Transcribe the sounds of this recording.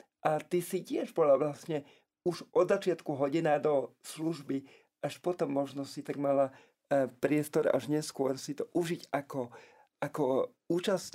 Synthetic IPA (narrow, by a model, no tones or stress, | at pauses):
ʔat̪isicɪɛʒbɔlaʋlasɲɛ | uʒʔɔd̪zat͡ʃɪat̪kuɦɔɟinaːd̪ɔsluʒbi | ʔaʃpɔt̪ɔmːɔʒnɔsit̪aɡmala | pɾɪɛst̪ɔɾa̰ʒɲɛskʊɔɾsit̪ɔʔuʒiɟakɔ | akɔ | uːt͡ʃas